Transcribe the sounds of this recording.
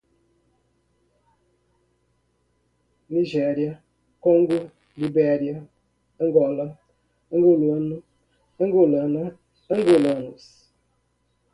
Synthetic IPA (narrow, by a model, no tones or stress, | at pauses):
niʒeɾia | koŋ̩ɡʊ | libeɾia | ŋ̩ɡɔla | ŋ̩ɡʊlun | ŋ̩ɡʊlan | ŋ̩ɡolanus